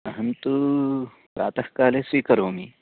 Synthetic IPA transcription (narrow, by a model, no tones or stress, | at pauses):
ɐɦɐnt̪u | pɾa̰ːt̪ɐhkaːleːsʋiːkɐɾoːmi